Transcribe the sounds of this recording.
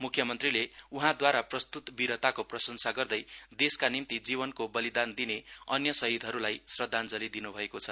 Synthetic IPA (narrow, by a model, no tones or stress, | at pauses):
mukʰjʌmʌnt̪rileuɦãd̪waɾaprʌst̪ut̪biɾʌt̪akoprʌsʌnsaɡʌrd̪ʌjd̪eskanimt̪id͡zibʌnkobʌlid̪and̪ineʌnjʌsʌɦid̪ʱɦʌɾulajsrʌd̪ʱːand͡zʌlid̪inubʱʌekot͡sʰʌ